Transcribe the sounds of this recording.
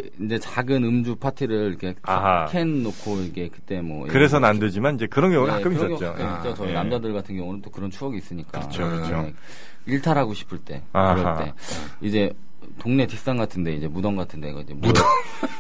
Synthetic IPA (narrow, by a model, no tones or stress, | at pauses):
ind͡ʑe̞t͡ɕaɡɯnɯmd͡ʑupʰatʰiɾɯɾiɾikʰe̞aɦkʰenːokʰoiɡe̞kɯt͈e̞mwʌ̰ḭkɯɾe̞sʰʌnanded͡ʑimanid͡ʑe̞kɯɾʌnɡjʌŋuɡakak͈ɯmiɯʌsʌjʌut͡ɕ͈akɯmit͡ɕ͈ot͡ɕʌinamd͡ʑadɯɭɡatʰɯnɡjʌŋunɯnt͈okɯɾʌnt͡ɕʰuʌɡiːs͈ɯɲik͈a̰ɾʌt͡ɕot͡ɕʰoe | iɭtʰaɾɦaɡoɕʰi̥pʰɯɭt͈e̞̰ɾʌt͈e̞̰ | id͡ʑe̞ | toŋne̞tik̚s͈aŋɡatʰɯnde̞id͡ʑe̞mudʌŋɡatʰɯnde̞̰ɡʌid͡ʑeu